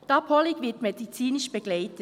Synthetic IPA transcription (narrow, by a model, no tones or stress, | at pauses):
d̥ɑpʰɔlikvɪɐtmedit͡siːnɪʃb̥eɡlaɪtə